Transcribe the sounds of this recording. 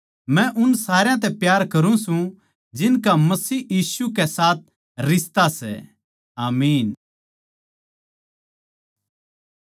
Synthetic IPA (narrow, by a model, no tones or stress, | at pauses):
mɛ̃ʔʊnsaːɾjãt̪̬ɛpjaːɾkɐɾũsũ | d͡ʒɪnkamɐsiːjiːsukɛsaːt̪̚ | ɾɪst̪asɛ̰ | aːmiːn